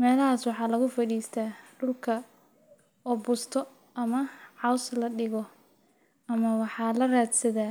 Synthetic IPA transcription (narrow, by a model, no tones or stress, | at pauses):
mɛːlɐɦaːswɑħɑːlɐɣʊfɐɾiːst̪ʰaːɖʊlkʰɐ | ɔbʊst̪ʰɔ | ʔɐmɐʕɑwslɐɗɪɣɔ | ɐmɐwɑħɑːlɐraːd̪sɐðaː